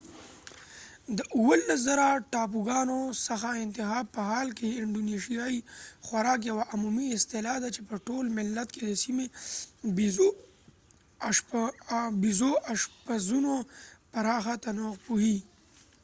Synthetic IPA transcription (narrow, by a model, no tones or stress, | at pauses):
d̪əʔuwəlːas̬zaɾaʈɑp̬uɡɑnosaxaɪnt̪ɪɦɑːpəhɑːlkeɪɳɖoneʃijaixwaɾɑːk̬jawaʔamumiɪst̪ɪlɑd̪at͡ʃepəʈolmɪlːat̪ked̪əsimeb | bizoaʂpazunopaɾɑːxat̪anoqpuhi